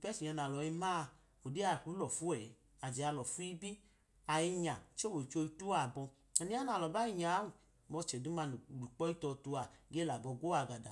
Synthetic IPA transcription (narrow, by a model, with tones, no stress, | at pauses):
i˨pɛ˦si˨ɲa˧na˨lɔ˨i˧maː˦˧ | o˨di˦a˧˨ku˨˦lɔ˨fu˦ɛ˨˦ | a˨d͡ʒɛ˨a˧lɔ˨fu˦i˦bi˦ | a˨ji˧ɲa˨t͡ʃo˦wo˨t͡ʃo˧i˧tu˦a˨bɔ˧ | a˨ni˦a˦na˨lɔ˨ba˦i˦˧˨ɲa˨˦u˨ | mɔ˧t͡ʃɛ˨du˦ma˧n˨ɾu˨k͡pɔ˦i˦tɔ˧tu˧a˧˨ɡe˦la˨bɔ˧ɡo˦a˧˨ɡa˨da˨